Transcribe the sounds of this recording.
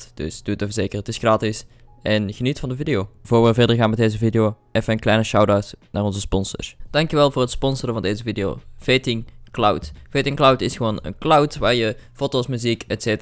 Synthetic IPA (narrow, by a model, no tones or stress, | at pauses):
d̥ɵ̰sd̥utəfəzeːkərətɪsxraːtɪs | ʔɛnɣənitfɑndəvidɪjoːvʊːɹʋəvɛɹdəɹɣaːnmɛdejzəvidɪjoʔɛfənənklɛjnəʃawdawtnʔaːrɔnzəspɔnsə̰ɹsd̥ɑŋkjəʋɛlˠvʊːrɦətspɔnsərəvɑndeːzəvidijo̰ːv̥etɪŋklawtv̥etɪŋklawtɪsxəʋoːnə̰nklawtʋaːɹjəfotosmyzikɛtseːtː